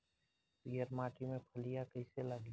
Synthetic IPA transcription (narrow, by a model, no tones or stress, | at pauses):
pijəɾmaːʈimẽpʰəlijakəɪseləɡ